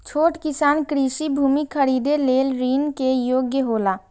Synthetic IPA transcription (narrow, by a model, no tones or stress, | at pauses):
t͡ʃʰoːʈkɪsaːnkɾisibʱuːmikʰəɾiːd̪eleːlɾiːnkejoːɡjəɦoːla